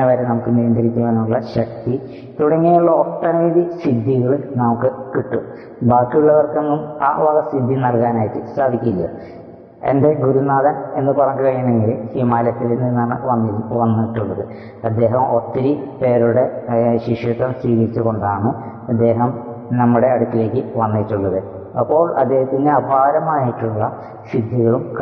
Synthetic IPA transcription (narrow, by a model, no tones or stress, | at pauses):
eʋɐɾenɐmukːɨnijɐnd̪ʱɐɾikʲːuʋeːnːuɭːɐɕɐk̚t̪i | t̪uɽɐŋːejuɭːɐot̪ːɐnɐiðisid̪ʱːiɣɐɭnɐmukːɨkiʈːu | baːkːiuɭːɐʋɐrke̞nːuma̰ːʋɐɣɐsid̪ʱːinɐlkaːnaːjiʈːɨsaːd̪ʱikʲːulːɐ̰ | e̞̰nde̞ɡuɾunaːðɐne̞nːɨpɐrɐɲkɨkɐɻijɐɳeŋɡilhimaːlɐt̪ːilenːinːaːɳɨʋɐnːiʋɐnːuiʈːuɭːɐðɨ | ɐd̪ːe̞ːɦɐmo̞t̪ːiɾipe̞ːɾuɽe̞ɕiʂjɐt̪ːɐmsʋiːɣɐɾit͡ɕːuɣo̞ɳɖaːɳɨ | ɐd̪ːe̞ːɦɐm | nɐmːuɽe̞ɐɽuk̪ːile̞ːkʲːɨʋɐnːiʈːuɭːɐðɨ | ɐpːo̞ːɭɐ̰d̪ːe̞ːɦɐt̪ːinɨɐbʱaːɾɐmaːjiʈːuɭːɐ | sid̪ʱiɣɐɭumk